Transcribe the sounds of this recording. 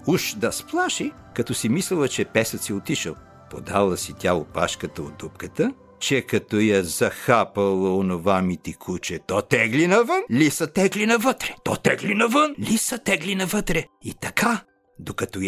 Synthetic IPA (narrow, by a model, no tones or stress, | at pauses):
uʃd̪ɐsplˠaʃi | kɐt̪ɔsimislɛlˠɐt͡ʃɛpɛsɐt̪siɛot̪iʃəlˠ | po̰d̪alˠəsit̪ʲaopa̰ʃkət̪əod̪up̚kət̪ə | t͡ʃɛkɐt̪ɔjɐzɐxapɐlˠɐonovamit̪ikʰut͡ʃɛt̪ɔt̪ɛɡlinɐvənlʲisɐt̪ɛɡlinɐvət̪ɾɛ̥t̪ɔt̪ɛɡlinɐvənlʲisɐt̪ɛɡlinɐvət̪ɾɛit̪ɐka | d̪okɐt̪ɔ